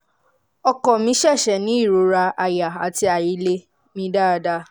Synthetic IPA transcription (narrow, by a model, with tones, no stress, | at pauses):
ɔ˧kɔ˨mĩ˧˦ʃɛ˦˨ʃɛ˨nĩ˨˦i˦˨ɾo˨˦ɾa˧a˨ja˨a˨ti˧a˨ji˧˦le˦ | mĩ˧˦da˦˨˧da˧˦